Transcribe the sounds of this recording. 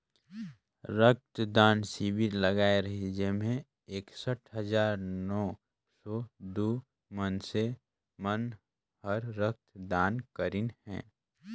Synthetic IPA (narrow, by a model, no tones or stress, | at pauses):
ɾək̚t̪d̪aːnsiːbʱiləɡaːeɾɐɦid͡ʒemẽ | eːksəʈʰɦəd͡ʒaːɾnɔː | sɔd̪uː | mənse | mən | həɾːək̚t̪d̪aːnkəɾinhɛ̰̃ː